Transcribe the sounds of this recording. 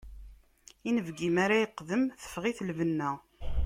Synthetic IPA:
inəvɡimaɾajəqːðəmθə̥fʁiθlvənːæ

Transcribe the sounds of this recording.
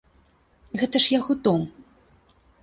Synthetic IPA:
ɣɛt̪ɐʂjaɣut̪ɔm

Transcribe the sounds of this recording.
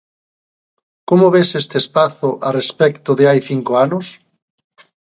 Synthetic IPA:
komʊβesest̪espaθʊʔarespɛkt̪ʊðeajθiŋkoanʊs

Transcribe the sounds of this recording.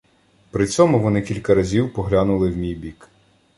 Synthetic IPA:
pɾɪt͡sʲɔmʊʋɔnɪkʲilʲkɐɾɐzʲiwpɔɦlʲanʊlˠɪwmʲijbʲik

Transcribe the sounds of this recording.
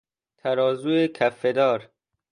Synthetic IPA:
t̪ʰæɾɒːzuːekʰæfːed̪ɒːɾ

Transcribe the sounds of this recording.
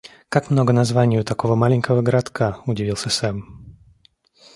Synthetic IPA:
kakmno̞ɡənazvanʲɪjʊt̪ɐko̞vəmalʲɪnʲkəvəɡəɾat̪kʰaʊdʲɪvʲilˠsʲəsɛm

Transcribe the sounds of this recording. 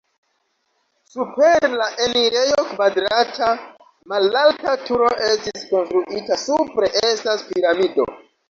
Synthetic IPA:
supe̞ɾlaʔe̞niɾe̞jo̞kvadɾatʰa | malaltatuɾo̞ʔe̞stisko̞nstɾuʔitasupɾe̞ʔe̞staspiɾamido̞̰

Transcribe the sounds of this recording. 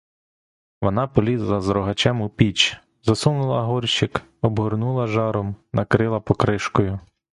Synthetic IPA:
ʋɔnɑpɔlʲizlˠɐzɾɔɦɐt͡ʃɛmʊpʲit͡ʃ | zɐsumnʊlˠɐɦɔrʲʃɪk | ɔbɦʊrnulˠɐʒɑɾɔmnɐkɾɪlˠɐpɔkɾɪʃkɔjʊ

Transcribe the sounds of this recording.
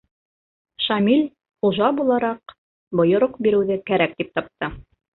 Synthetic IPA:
ʃɑmilʲ | χuʒɑbulˠɑɾɑq | bŏjŏɾoqbiɾɘ̆wðɘkæɾæk̚t̪ip̚t̪ɑp̚t̪ɤ

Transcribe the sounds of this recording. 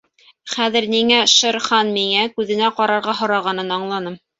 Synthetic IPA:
χæðɘ̆ɾniŋæʃɤ̆ɾχɑnmiŋækʉðɘ̆næqɑɾɑɾʁɑɦŏɾɑʁɑnɤnɑɴlˠɑnɤm

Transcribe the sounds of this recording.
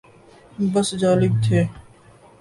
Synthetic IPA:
bəsd͡ʒaːlɪb̚t̪ʰeː

